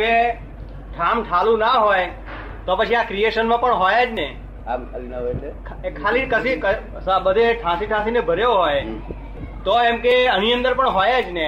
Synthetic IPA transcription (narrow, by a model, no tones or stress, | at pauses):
ʋe | ʈʰãmʈʰalũnaɦoj | t̪opət͡ʃʰiãkɾieʃənmãpəɳɦojad͡ʒne | kʰkʰalikəsikə | səbəd̪ʱeʈʰãsiʈʰãsinebʱəɾjoɦoj | t̪oemkeəniənd̪əɾpəɳɦojad͡ʒne